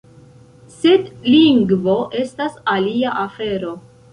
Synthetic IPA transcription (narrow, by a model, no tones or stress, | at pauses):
se̞dliŋɡvo̞ʔe̞stasaliaʔafe̞ɾo̞